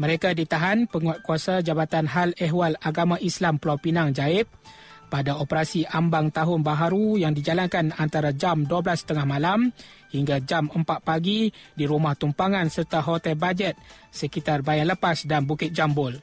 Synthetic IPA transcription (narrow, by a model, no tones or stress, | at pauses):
mə̃ɾekadit̪aɦanpəŋat̪̚kuasad͡ʒabat̪anɦalɛɦwalaɡamãʔislamplawpinaŋd͡ʒaɪp̚ | padaopəɾasiʔambaŋt̪aɦʊnbaɦaɾujaŋdid͡ʒalankanant̪aɾad͡ʒamduablast̪əŋahmãlam | hiŋɡad͡ʒaməmpat̪̚paɡidiɾumaht̪umpaŋãnsərt̪aɦot̪ɛlbad͡ʒɛt̪̚səkit̪arbajaləpasdanbukɪt̪̚d͡ʒambʊl